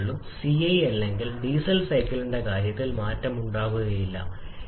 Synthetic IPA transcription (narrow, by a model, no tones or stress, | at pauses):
ɭːumsiɐjɐlːe̞ŋɡilɖiːsɐlsɐjkːɐluɳɖe̞kaːɾjɐt̪ːilmaːtːɐmuɳɖaːʋuɣɐjilːɐ̰